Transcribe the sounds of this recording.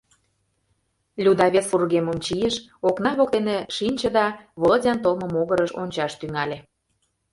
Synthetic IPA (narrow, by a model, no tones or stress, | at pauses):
lʲud̪ɑβʲet̪furɣeməmt͡ɕijeʃ | oknɑβok̚t̪eneʃinʲt͡ɕəd̪ɑβoldʲɑnt̪olˠmə̆moɣəɾəʃonʲt͡ɕɑʃt̪yŋɑlʲĕ